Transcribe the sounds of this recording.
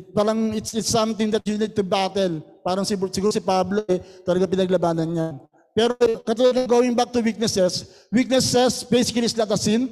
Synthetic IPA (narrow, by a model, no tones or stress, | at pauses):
paːɾɐŋɪt̪sɪt̪sːɐ̃mt̪ɪ̃ŋd̪ɐt̪̚junid̪̚t̪ubat̪ɛlpaːɾɐŋsɪusɪɡuːɾosɪpabloɛt̪ɐlɐɡapɪnɐɡlɐbaːnɐnjan | pɛːɾokɐt̪ulad̪̚ɐŋɡowɪ̃ŋbak̚t̪uwik̚nɛsɛs | wik̚nɛsɛsbɛjsɪkɐlitsnɐt̪ɐsin